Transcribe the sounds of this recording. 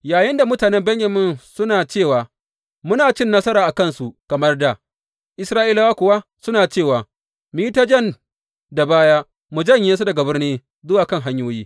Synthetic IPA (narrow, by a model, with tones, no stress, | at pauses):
jaː˨jɪ˦nda˨mʊ˦taː˨nɛ˦mbɛ˦ɲjɐ˨mɪ˦nsʊ˦naː˨t͡ʃeː˦˨waː˨ | mʊ˦naː˨t͡ʃɪ˦nːɐ˦sɐ˦ɾaː˨ʔa˨kɐ˦˨nsu˨kɐ˨mɐ˦rda˨ | ʔɪ˦sɾaː˦ʔiː˦la˦wa˦kʷʊ˨wa˦sʊ˦naː˨t͡ʃeː˦˨waː˨ | miː˦i˦ta˦d͡ʒɛ˦˨n | da˨baː˦jaː˦ | mu˨d͡ʒɐ˦ɲjɪ˦ns̬u˦dɐ˨ɡa˨bɐ˦rneː˦ | zʊ˦waː˨kɐ˦ŋɦa˦ɲjoː˦jiː˦